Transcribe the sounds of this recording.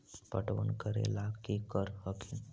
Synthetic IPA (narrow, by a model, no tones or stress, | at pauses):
pəʈʋə̰nkəɾḛlakekəɾhəkin